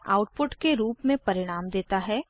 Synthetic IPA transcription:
a̰ːʊʈ̚pʊʈkeɾuːpmẽpɐɾɪɽ̃aːmd̪eːt̪aɦɛː

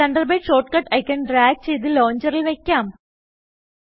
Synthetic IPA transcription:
ɐɳɖɐrbɐjɖʂo̞ːʈkɐʈɐjkʲːɐɳɖɾaːɡ̚t͡ɕejt̪ɨlo̞ːɲd͡ʑɐɾilʋe̞kʲːaːm

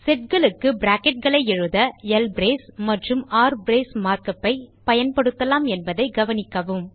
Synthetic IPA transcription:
sɛʈ̚kɐɭɯkːɯbɾaːkɛʈ̚ɡɐɭɐɪɛɻɯðɐɛlbɾeːsmɐʈrɯmaːɾbɾeːsmaːɾkɐpːɐɪpɐjɐnpɐɽɯt̪ːɐlaːmɛnbɐðɐɪɡɐʋɐnɪkːɐʋɯm

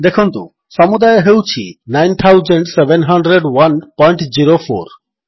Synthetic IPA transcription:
d̪ekʰunt̪ṵ̃ | sɔmud̪ajeɦewt͡ɕʰinajnt̪ʰawzəɳɖsebenɦɐɳɖɾeɖwɐnpɔjɳʈd͡ʑiɾofo̰ɾ

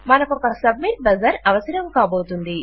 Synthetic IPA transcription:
mɐnɐkɔkɐsɐb̚miʈ̚bɐzɐɾɐʋɐsɐɾɐmkaːbo̞ːt̪und̪i

